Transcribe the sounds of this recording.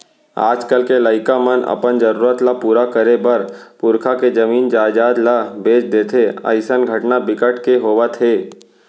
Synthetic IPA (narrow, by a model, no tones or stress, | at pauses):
a̰ːd͡ʒkəlkeləɪkamənɐ̰pənd͡ʒəɾuːɾət̪lapuːɾakəɾebɐɾpʊɾkʰaked͡ʒəmiːnd͡ʒaːd͡ʒaːd̪labeːt͡ʃd̪eːt̪ʰeə̰ɪsənɡʱəʈnabɪkəʈʰkeɦoːʋat̪ʰeː